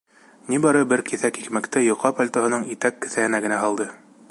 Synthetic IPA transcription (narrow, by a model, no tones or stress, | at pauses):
nibɑɾɤbɘɾkiθækikmækt̪ɘjŏqːɑpalʲt̪oɦɤ̆nɤɴit̪ækːɘ̆θæhɘ̆næɡɘ̆næɦɑlˠd̪ɤ